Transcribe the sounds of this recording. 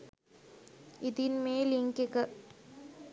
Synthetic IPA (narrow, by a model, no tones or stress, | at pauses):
id̪inmeːliŋkekə